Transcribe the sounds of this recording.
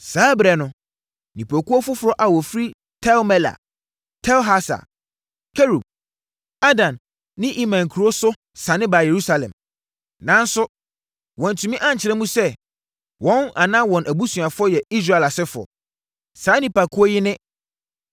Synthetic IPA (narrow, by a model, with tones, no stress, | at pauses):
saː˨˦bɾɛ˨nʊ̃˦ | nĩ˨pʰo˨kʊ˦ɔ˦fʊ˦fʊ˨ɾɔ˦ʔa˨wɔ˨fɾi˦ | tʰɛ˦lmɛ˦la̰˨ | tʰɛ˦lɦa˦sa̰˨ | kʰe˦ɾu˨b̚ | a˦dã˨nː | ɪ̃˦ʔi˦mã˨ŋ̩˨kʰu˨ɾo˦sʊ˦ | sã˨nɪ̃˦ba˨je˨ɾu˦sa˨lɛ̰̃˨m | nã˨n˦sʊ˦ | wɔ̃˨n˨tʰu˨mĩ˦ʔã˦ɲ̩˨t͡ɕʰɪ˨ɛ̃˦mũ˦sɛ˦ | wɔ̃˦na˨nã˦wɔ̃˨nʔæ˨bu˦sũ˨a˨fʊ˦ɔ˦jɛ˨i˦s̬ɾa˦˨ɛ˨la˨sɪ˦fʊ˨ɔ̰˨ | saː˨˦nĩ˨pa˨kʰʊ˦ɔ˦jɪ˦nɪ̃˦